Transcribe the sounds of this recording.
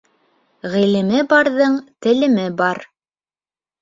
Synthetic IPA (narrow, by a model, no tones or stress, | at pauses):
ʁilɘ̆mɘbɑɾðɤɴt̪ɘ̆lɘ̆mɘbɑɾ